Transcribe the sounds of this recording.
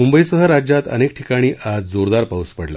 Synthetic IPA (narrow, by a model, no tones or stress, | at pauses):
mumbəisəɦəɾad͡ʑjat̪ə̰nek̚ʈʰikaɽ̃iːʔʔad͡zd͡zoɾd̪aɾpauspəɽla̰